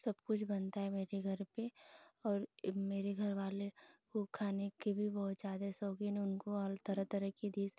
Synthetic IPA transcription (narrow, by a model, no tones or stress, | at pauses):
sɐbkʊt͡ʃʰbɐnt̪aɦɛmeːɾeɡʱɐɾpeɔːɾmeːɾeɡʱɐɾʋaːlekokʰaːnekebʱibɐɦʊt̪d͡ʒaːd̪ɛsɔːɡineʊnkolt̪ɐɾət̪ɐɾəkid̪iːs